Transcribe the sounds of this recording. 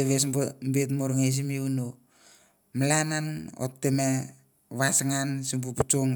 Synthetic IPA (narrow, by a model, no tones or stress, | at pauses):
eβesmbet̬moɾŋes̬imiuno | malanano̰tːema | βasaŋansimp̬uput͡ʃoŋ